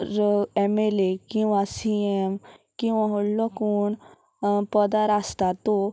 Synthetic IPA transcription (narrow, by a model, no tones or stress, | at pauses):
emelekĩwʋasiemkĩʋãɦoɽlɔkuːɳ | pəd̪aɾast̪at̪o